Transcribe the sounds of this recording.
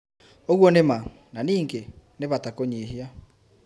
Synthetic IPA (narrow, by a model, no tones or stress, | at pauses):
oɣwɔnema | naniːŋɡeneβatakoɲeɦia